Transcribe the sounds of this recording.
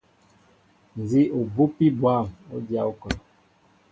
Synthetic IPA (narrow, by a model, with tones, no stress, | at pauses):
n̩˨zi˦u˨bu˦pi˦bwa˦˨mo̰˦dja˦u˦kɔ˨l